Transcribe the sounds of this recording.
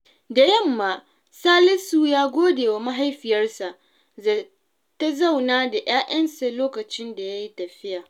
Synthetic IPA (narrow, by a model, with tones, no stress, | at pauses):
da˨jɐ˦˨mːaː˦ | saː˦lɪ˦suː˨jaː˦ɡʷoː˦deː˨wa˨ma˦ɦa˦jɸɪ˨jɐ˦rsa˨ʔ | za˨ | ta˦zɐ˦˨wnaː˦da˨ʔj̰aː˦ʔɐ˦nsa˨loː˦kɐ˨t͡ʃɪ˦nda˨ja˦ji˦tɐ˨ɸɪ˦jaː˨